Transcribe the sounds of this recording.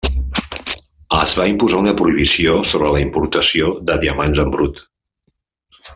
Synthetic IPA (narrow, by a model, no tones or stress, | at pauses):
əzβaimpuzaunəpɾuiβ̞isiosoβɾələimpuɾt̪əsioðəðiəmanzəmbɾut̪